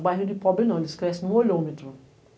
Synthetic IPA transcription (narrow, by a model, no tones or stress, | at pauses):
ɡ͡baɦĩdipɔbĩnãdiskɾɛsnũolõmĩtɾũ